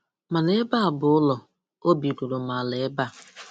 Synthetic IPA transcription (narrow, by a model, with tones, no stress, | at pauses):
ma˨ne˦ba˦a˨bʊ˨ʊ˦lɔ˨ | o˦bi˨ku˨lo˨ma˨le˨˦ba˦˨